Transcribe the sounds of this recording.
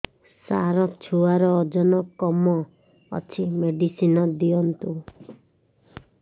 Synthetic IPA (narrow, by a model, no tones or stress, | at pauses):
saɾɔt͡ʃʰuaɾɔːd͡ʒɔnɔkɔmɔ | ɔ̰t͡ʃʰimeɖisinɔd̪iɔnt̪u